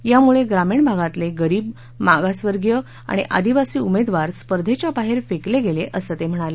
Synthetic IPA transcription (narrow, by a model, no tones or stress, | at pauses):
jamuɭeɡɾamiɳbʱaɡat̪leɡəɾiːb̚ | maɡasʋəɾɡjə | a̰ɽ̃iʔa̰d̪iʋasiːumed̪ʋaɾspəɾd̪ʱet͡ɕjabaɦeɾfekleɡeleʔəsəːt̪em̤əɽ̃ale